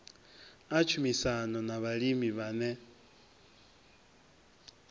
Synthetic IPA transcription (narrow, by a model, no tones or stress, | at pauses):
at͡ʃʰumisanɔnaβaɺimiβanɛ